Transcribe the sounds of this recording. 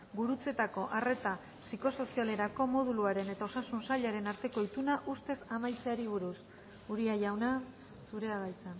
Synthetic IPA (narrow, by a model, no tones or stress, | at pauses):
ɡuɾut͡se̞t̪ako̞ʔare̞t̪a | siko̞so̞siale̞ɾako̞mo̞ðuluaɾe̞ne̞t̪ao̞sasunsaʎaɾe̞naɾt̪e̞ko̞it̪unaʔust̪e̞samajt͡seaɾiβ̞uɾus | uɾiaʝawna | suɾe̞aβajt͡san